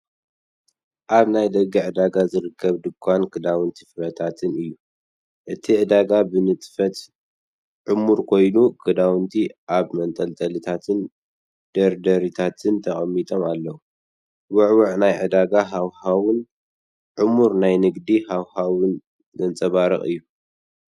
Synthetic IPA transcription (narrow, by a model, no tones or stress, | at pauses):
ʔaβnajd̪ɐɡːiʕɨd̪aɡazɨɾɨkʰːɐβd̪ɨkʰːankʰɨd̪awɨnt̪ʰifɨɾɐt̪ʰat̪ʰɨnɨjːu | ʔɨt̪ʰiʕɨd̪aɡabɨnɨt̪ʼfɐt̪ | ʕɨmuɾkʰo̞jnukʰɨd̪awɨnt̪ʰiʔaβmɐnt̪ʼɐlt̪ʼɐlɨt̪ʰat̪ʰɨn | d̪̥ɐɾd̪ɐɾit̪ʰat̪ʰɨnt̪ʰɐχʼɐmːit̪ʼomalːɐwu | wʊʕwʊʕnajʕɨd̪aɡaɦawhawɨn | ʕɨmuɾnajnɨɡd̪ihawhawɨn | zɨnt͡sʼɐβaɾɐ̰χʼɨ̰jːu